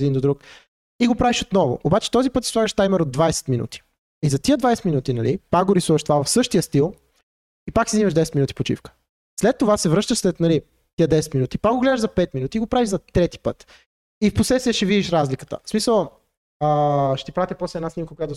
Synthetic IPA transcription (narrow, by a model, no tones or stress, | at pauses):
d̪ind̪od̪ɾuk | iɡopɾaviʃot̪nɔvʊ̰obat͡ʃɛ̥t̪ɔzipɤt̪si̥svaɡəʃt̪ajmɛɾod̪vajsɛ̥t̪minṵt̪i̥ | izɐt̪iəd̪vajsɛ̥t̪minut̪inɐlipak̚ɡoɾisuvəʃt̪ovavɐfsɤʃt̪ijəst̪ilˠ | ipaksiziməʒd̪ɛsɛt̪minut̪i̥pot͡ʃḭfkə̥ | slɛt̪ːovasɛvɾɤʃt̪əʃslɛt̪nɐli | t̪iəd̪ɛsɛ̥t̪minut̪ipakɡoɡlɛd̪əʒzɐpɛt̪minut̪iːɡopɾaviʒzɐt̪ɾɛt̪i̥pɤt̪ | ifpɾosɛsiəʃɛvid̪iʃɾazlikə̥t̪ə̰smisəlˠ | əʃt̪ipɾat̪ipɔslɛd̪nasnimkəkojat̪ʊ